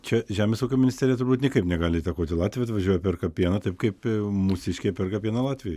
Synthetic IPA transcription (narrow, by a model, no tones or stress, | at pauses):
t͡ʃʲɛʒʲæːmʲeːsuʊkʲoːmʲɪnʲɪsʲt̪ʲæːɾʲjɛt̪ʊɾrbuːt̪nʲɪkɐɪpnʲɛɡɑːlʲɪiːt̪ɐkoːt̪ʲɪlˠɑːtʲʋʲjɐt̪ʋɐʒʲuɔjɛpʲɛrkɐpʲiɛnɐt̪ɐɪp̚kɐɪpmʊsʲɪʃʲkʲɛpʲɛrkɐpʲiɛnɐlˠɑːt̪ʲʋʲɪjɛ